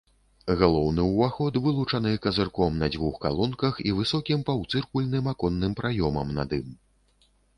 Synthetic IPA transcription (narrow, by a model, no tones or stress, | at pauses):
ɣalˠɔwnɨwvaxɔt̪vɨlˠut͡ʂɐnɨkɐzɨrkɔmnɐd͡zʲvuxka̰lˠɔnkɐxivɨsɔkʲimpɐwt̪sɨrkulʲnɨmakɔnːɨmpɾajɔmɐmna̰d̪ɨm